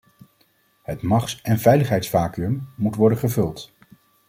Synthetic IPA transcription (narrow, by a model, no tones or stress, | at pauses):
hətmɑχsɛnvɛjləχɦɛjtsfaːkyɵmːutʋɔɹdəχəvɵlˠt